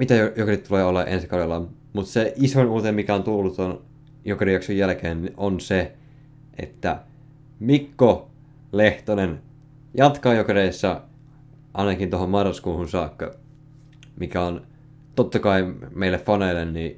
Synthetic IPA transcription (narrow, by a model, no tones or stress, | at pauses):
mit̪æojokerit̪t̪uleːolːɑʔḛnskɑjɑlːɑ | mut̪seʔisonuːt̪emikæont̪ulːut̪on | jokerijɑksujjælkeːniʔonse | ʔḛt̪ːæ̰ | mikːo | leht̪onen | jɑt̪kɑjokeɾeisːɑ | ʔɑinɑkint̪ohommɑrːɑskuːhunsɑːkːɑ̰ | mikæon | t̪ot̪ːɑkɑimeilːeffɑneilːenni